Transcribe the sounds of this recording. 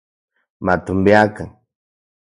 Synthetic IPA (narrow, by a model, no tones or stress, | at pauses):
mat̪umbeakaŋ